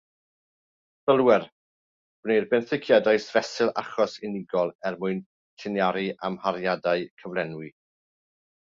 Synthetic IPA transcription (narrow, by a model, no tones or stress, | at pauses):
θəlˠwɛr | b̥nejrbɛnθɪkʰjadaɨsvɛsɪlˠa̰χɔsɪnɪɡɔlˠɛrmʊɨn | tʰɪnjaɾiʔamhaɾjadaɨkʰəvlˠɛnwi